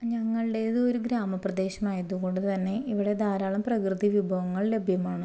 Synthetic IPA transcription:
ɲɐŋːɐɭɖe̞iðɨo̞ɾuɡɾaːmɐprɐd̪e̞ːɕɐmaːjɐðuɣo̞ɳɖɨt̪ɐnːe̞iʋiɽe̞d̪ʱaːɾaːɭɐmprɐkrɨðiʋjubʱɐʋɐŋːɐɭle̞bʱjɐmaːɳɨ

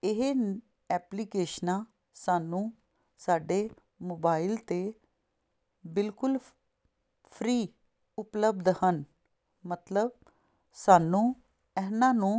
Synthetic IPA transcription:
ɪɦe | ɛːpliːkeːʃnãː | saːnũː | saːɖeː | moːbaːɪlt̪eː | bɪlkʊl | pʰɾiː | ʊpləbd̪hən | mət̪ləb̚ | saːnũː | ɛːɦnãːnũː

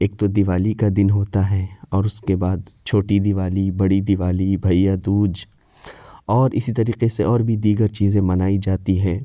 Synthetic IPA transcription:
eːk̚t̪od̪ɪʋaːlikad̪ɪnɦoːt̪aɦɛːɔːɾʊskebaːd̪t͡ʃʰoːʈid̪ɪʋaːlibɐɽid̪ɪʋaːlibʱɐjad̪uːd͡ʒ | ɔːɾɪsit̪ɐɾiːqeseɔːɾbʱid̪iːɡəɾt͡ʃiːzẽmɐnaːid͡ʒaːt̪iɦɛ̃ː

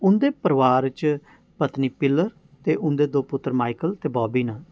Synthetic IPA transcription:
ʊnd̪eːpəɾʋaːɾt͡ʃ | pət̪niːpɪlːəɾ | t̪eːʔʊnd̪eːd̪oːpʊt̪ːəɾmaːɪkəlt̪eːbɔːbiːnãː

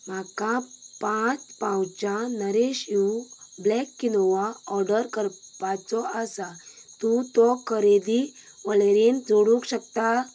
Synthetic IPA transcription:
m̤akapãt͡spãwt͡ɕanəɾeɕjublɛkːinɔʋaɔɾɖəɾkəɾpat͡sɔəsat̪ũt̪ɔkʰəɾed̪iʋəɭeɾend͡zoɽũkɕək̚t̪a

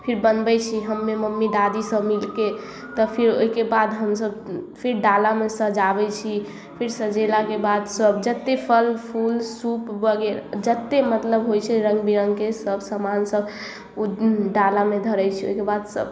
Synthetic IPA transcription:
pʰiɾbənbɛt͡ʃʰiɦəmːeməmːid̪ad̪isəbmilke | t̪ɔpʰiɾo̰ikebad̪ɦəmsəbpʰiɾɖalamesəd͡ʒabɛt͡ʃʰi | pʰiɾsəd͡ʒelakebad̪səbd͡ʒət̪ːepʰəlpʰulsupbəɡeɾd͡ʒət̪ːemət̪ləbɦojt͡ʃʰɛɾəŋɡbiɾəŋɡkesəbsəmansəb | ɖalamed̪ʱəɾɛjt͡ʃʰio̰ikebad̪sə̰b

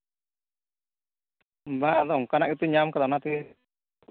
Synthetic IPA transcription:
bad̪ɔŋkanaʔit̪uɲamkad̪anat̪i

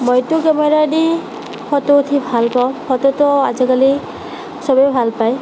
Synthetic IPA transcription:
mɔjt̪ukemeɾadi | hɔt̪oot̪ʰibʱalpawhɔt̪ot̪ɔa̰zikali | sɔbɔjbʱalpaj

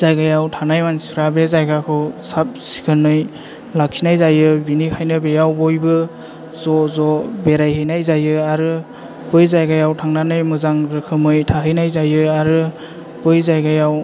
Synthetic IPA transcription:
z̥ajɡajawtʰanajmansiɾabezajɡakʰɯwsap̚si̥kʰɯnɯj | lakʰinajzajɯbinikʰajnɯbejawbɔjbɯ | zɔzɔbeɾajhɯjnajzajɯaɾɯ | b̥ɯjzajɡajawtʰaŋnanɯjmɯzaŋɾɯkʰɯmɯjtʰaɦɯjnajzajɯaɾɯ | b̥ɯjzajɡajaw

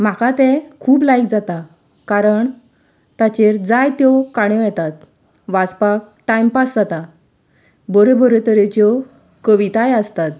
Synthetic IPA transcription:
m̤akat̪ɛ̃kʰuːplajk̚d͡zat̪a | kaɾəɳ | t̪at͡ɕeɾd͡zajt̪jɔkaɽ̃ɔ̃jɛt̪at̪̚ | ʋat͡spak̚ | ʈajmpasd͡zat̪a | bɔɾebɔɾet̪əɾet͡ɕɔ | kəʋit̪ajəst̪at̪̚

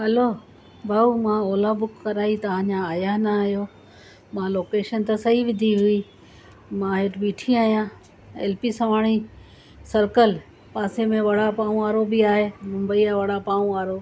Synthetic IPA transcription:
ɦɐloː | bʱɐumãoːlabʊkːɐɾaːit̪ɐʋ̤ãːd͡ʑãaːjaɦnɐɦjoː | mãloːkeːʃənt̪ɐsɐɦiʋɪd̪ʱiɦʊi | mãɦeʈbiːʈʰiaːɦijã | ḛːlpisɐʋaːɽ̃i | sɐɾkəl | paːsemẽʋɐɽapaːũʋaːɾobiaːɦemʊ̃mbəijaʋɐɽapaːũaːɾo

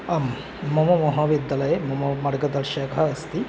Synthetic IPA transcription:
ɐmː | ɔmomɔɦabid̪ːalɐjemɔmomɐɾɡɐd̪ɐɾʃakʰɐːst̪i

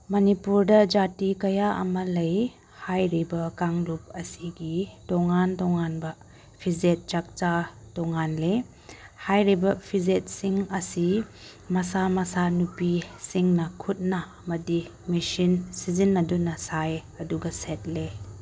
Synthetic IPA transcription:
mɐnipuɾdɐd͡ʒatikɐjaʔɐ̰mɐlɐj | hajɾibɐkaŋɾup̚ɐsiɡitɔŋantɔŋanbɐ | pʰizet̚t͡ʃak̚t͡ʃatɔŋanle | hajɾibɐpʰizet̚siŋɐsi | mɐsamɐsanupisiŋnɐkʰut̚nɐːmɐdi | misinsizinːɐdunɐsajɐduɡɐset̚le

